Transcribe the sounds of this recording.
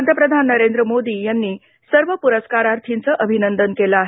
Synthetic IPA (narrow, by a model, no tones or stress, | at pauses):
nd̪ʱəpɾəd̪ʱanːəɾend̪ɾəmod̪iːjanːiː | səɾʋəpuɾəskaɾaɾt̪ʰint͡səʔəbʱinənd̪ənkeləaɦe